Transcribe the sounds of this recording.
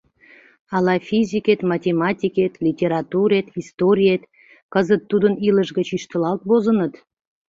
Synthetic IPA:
ɑlɑfʲizʲiket̪mɑtʲemɑtʲiket̪lʲitʲeɾɑt̪uɾet̪ist̪oɾʲijet̪ | kəzət̪ːud̪əniləʃɣət͡ɕiʃt̪əlɑlt̪bozənət̪

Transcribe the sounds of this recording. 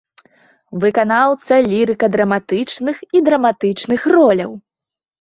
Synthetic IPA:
vɨkanawt̪sɐlʲiɾɨkɐd̪ɾɐmat̪ɨt͡ʂnɨxid̪ɾɐmat̪ɨt͡ʂnɨxrɔlʲɐw

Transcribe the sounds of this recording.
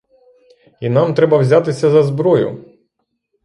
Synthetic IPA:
inamt̪ɾɛbɐwzʲat̪ɪsʲɐzɐzbɾɔjʊ̰

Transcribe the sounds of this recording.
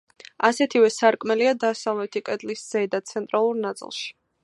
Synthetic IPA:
asɛt̪ʰivɛsaɾkʼmɛliad̪asalˠmɛt̪ʰikʼɛd̪lisz̥ɛd̪at̪sʰɛnt̪ʼɾalˠuɾnat̪sʼḭlˠʃi̥

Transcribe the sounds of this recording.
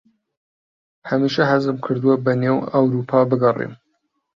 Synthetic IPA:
hɐmiʃɐhɐzɨmkʰɨɾd̪ɨwɐbɐneːwɐwɾupʰɑbɨɡɐrˤḭm

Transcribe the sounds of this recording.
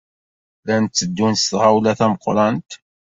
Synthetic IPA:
lænt͡sːəd̪ːunsθʁawlæθæməqɾˤɑnt̪

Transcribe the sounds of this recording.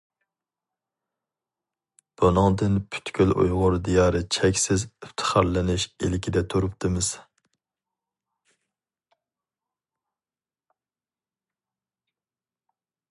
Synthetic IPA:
b̥unɨŋd̪ɨnpʰy̥t̪kʲʰølʔṵjʁʊɾd̪ijɑːɾɨt͡ʃʰɛkʲsɪzyft̪ʰɨ̥χɑɾlɪnɪʃilɪkʲʰid̪ɛt̪ʰuɾup̚t̪ʰɨmɪz̥

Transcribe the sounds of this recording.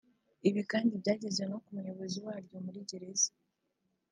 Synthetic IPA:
iβikaːndibɟaːɟe̞zeno̞kumujo̞βo̞ziwaːɾjo̞muɾiɟe̞ɾe̞zḁ

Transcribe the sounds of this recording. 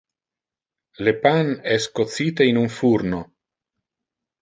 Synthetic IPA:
lepanɛskot̪t͡siːt̪einuɱfuɾno

